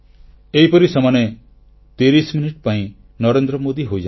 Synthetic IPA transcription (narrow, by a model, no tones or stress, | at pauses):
eɦipɔɾisɔmane | t̪eɾisminiʈpaĩ | nɔɾend̪ɾɔmod̪iɦojd͡ʒa